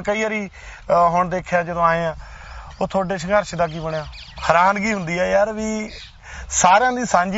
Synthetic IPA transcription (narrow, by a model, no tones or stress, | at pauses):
kəiːəɾiː | ɦʊɳd̪eːkʰjaːd͡ʒəd̪õːaːeːãː | oːt̪ʰoːɖeːʃəŋɡəɾʃd̪aːk̬iːbəɳjaː | həɾaːnɡiːɦʊnd̪iːɛːjaːɾʋiː | saːɾãːd̪iːsãːɲd͡ʒ